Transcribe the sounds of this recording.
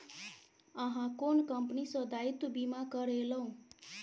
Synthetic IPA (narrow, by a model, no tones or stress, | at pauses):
ʌɦãkonkʌmpnisʌd̪ʱait̪ubimakʌɾelʌũ